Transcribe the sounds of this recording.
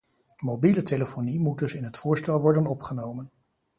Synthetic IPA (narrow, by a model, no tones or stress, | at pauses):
mowbilətʰeləfonimud̚dɵsɪnɦətfʊːɹstɛlˠʋɔɹdənɔpχənowmən